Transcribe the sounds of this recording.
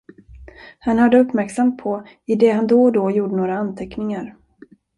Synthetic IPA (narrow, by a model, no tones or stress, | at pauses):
hanhaɖ̪ːəɵpːmæɾksamt̪̚pʰɔ | ɪd̪ɛɦand̪ɔd̪ɔjuːɖənoːɾaant̪ʰɛknɪŋaɾ